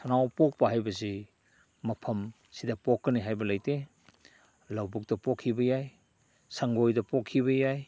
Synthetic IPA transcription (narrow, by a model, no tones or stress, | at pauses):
sʰanawpɔk̚pɐɦajbɐzi | mɐpʰɐm | sidapɔkːɐniɦajbɐlajte | lawbuk̚dɐpɔkʰːibɐjaj | saŋɡojdɐpɔkʰːiβɐjaj